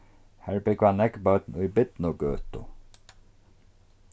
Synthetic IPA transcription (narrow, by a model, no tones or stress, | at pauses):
hæːɹbɪɡvanɛɡbœt̪n̩ʊjbɪd̪nʊɡøːt̪ʊ̰